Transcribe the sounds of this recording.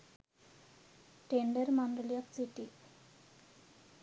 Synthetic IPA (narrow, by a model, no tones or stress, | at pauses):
ʈeɳɖəɾmaɳdəlijəksiʈi